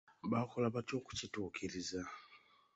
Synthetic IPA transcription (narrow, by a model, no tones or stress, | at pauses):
bakɔlaβat͡ʃoku̥t͡ʃitukiɾiza